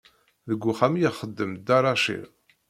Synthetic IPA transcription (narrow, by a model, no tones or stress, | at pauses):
ðəɡʷːuχæmijəχəd̪ːəmd̪ɑɾˤɑʃḭɾ